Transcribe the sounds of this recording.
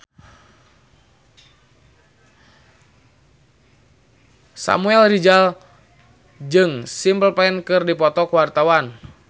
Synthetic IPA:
sa̰muɛlrid͡ʒal | d͡ʒɨŋsimpəlpaɛnkɨrdipɔt̪ɔkuwart̪awan

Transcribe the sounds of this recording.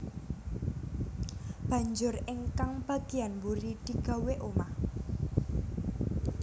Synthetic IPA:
b̥ä̤ɲd͡ʒʊrɪŋkaŋb̥ä̤ɡ̥ianbuɾid̪̥i̤ɡ̥a̤weʔoma

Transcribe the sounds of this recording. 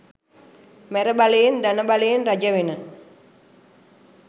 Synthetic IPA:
mæɾəbalejend̪anəbalejenrad͡ʒəʋenə

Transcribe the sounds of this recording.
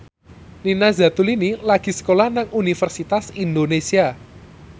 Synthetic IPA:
ninazat̪ulinilaɡ̥i̤sə̥kolahnaŋunifərsit̪asind̪onesia

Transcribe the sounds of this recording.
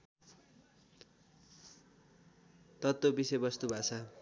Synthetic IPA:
t̪ʌt̪ːobisʌjbʌst̪ubʱat͡sʰʌ

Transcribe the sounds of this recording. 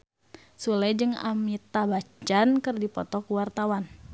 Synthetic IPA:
sulɛd͡ʒɨŋa̰mit̪abat͡ʃankɨrdipɔt̪ɔkuwart̪awan

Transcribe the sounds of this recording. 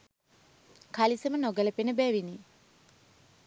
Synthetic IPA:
kʰalisɐmɐnoɡɐlɐpinɐbɛːʋini

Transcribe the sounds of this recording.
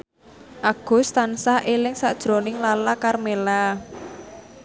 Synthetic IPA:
ʔaɡ̥ʊ̤st̪ansahʔelɪŋsaʔd̥ʒ̥ɾo̤nɪŋlalakarmela

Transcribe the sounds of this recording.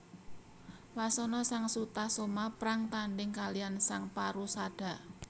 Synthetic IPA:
wasɔnɔsaŋsut̪ahsomapɾaŋt̪aɳɖɪŋkalijansaŋpaɾusaɖ̥a̤

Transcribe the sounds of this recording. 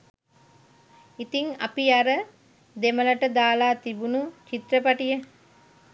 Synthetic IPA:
it̪iŋa̰piaɾə | d̪eməlɐʈəd̪aːlaːt̪ibunut͡ʃit̪rəpaʈijə

